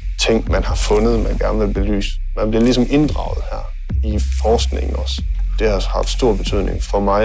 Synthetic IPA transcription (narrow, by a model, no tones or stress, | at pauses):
t͡sʰeŋ̰̥mænhɑ̈fɔ̽nəðˠmænɡ̥æɐnʋe̝lb̥e̝ly̰ːsə | mænb̥liɐlisɒ̽me̝nd̥ʁɑ̈ʊð̞̩ˠhæɐ̰ | ifɒːsɡ̥ne̝ŋn̩ɒs | d̥eshɑ̈fd̥sd̥o̝ɐ̰b̥e̝t͡sʰyð̰ˠne̝ŋfɒ̽mɑ̈ɪ